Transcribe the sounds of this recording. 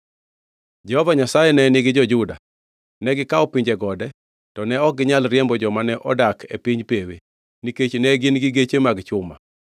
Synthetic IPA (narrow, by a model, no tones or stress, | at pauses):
d͡ʒɛhɔvaɲasajɛnɛnɪɡɪd͡ʒɔd͡ʒʊda̰ | nɛɡɪkaɔpiɲd͡ʒɛɡɔdɛ | tɔnɛɔk̚ɡɪɲalɾjɛmbɔd͡ʒɔmanɛʔɔdakʰḛpiɲpewe | niket͡ʃnɛɡɪnɡɪɡet͡ʃemaɡt͡ʃʊma̰